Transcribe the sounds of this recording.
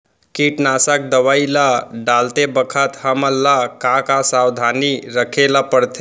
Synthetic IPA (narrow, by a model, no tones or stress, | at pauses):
kiʈnasək̚d̪əʋəilaɖalt̪ebəkʰət̪həməlːakakasawd̪ʱaniɾəkʰelapəɾt̪ʰe